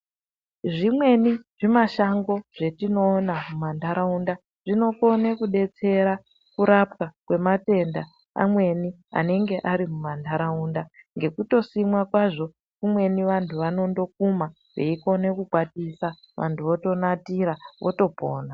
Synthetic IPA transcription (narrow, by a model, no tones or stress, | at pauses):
ʐimwe̞niʐimaʃaŋɡo̞ʐ̥e̞tino̞ːnamumandaɾaunda | ʐ̥ino̞ko̞nekuɗe̞t͡se̞ɾa | kuɾapkakwe̞mate̞nda | a̰mwe̞ni | a̰ne̞ŋɡe̞ʔaɾimumandaɾaundaŋɡe̞kuto̞simwakwaʐo̞ | kumwe̞niʋantʰuʋano̞ndo̞k̚uma | ʋḛiko̞ne̞kuɡwatisa | ʋa̰ntʰuʋo̞to̞natiɾaʋo̞̰to̞poːna